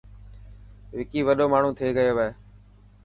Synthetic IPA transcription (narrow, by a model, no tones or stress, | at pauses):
ʋɪkiːʋəɗoːmaːɳ̤ũːt̪ʰeːɡəjoːʋaeː